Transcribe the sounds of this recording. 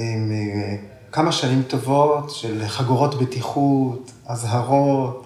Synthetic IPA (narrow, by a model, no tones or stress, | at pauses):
im | kamaʃanimt̪o̞votʃelχaɡuʁo̞tbetiχut | azɦaʁot